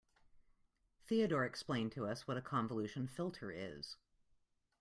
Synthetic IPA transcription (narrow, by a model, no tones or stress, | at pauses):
θiɨɾɔɹɨksplẽɪ̃ntʰɨʌswʌɾɨkʰɑ̃ɱvəlʉʃɨ̃n̩fɪlˠtʰə˞ɪ̰z̥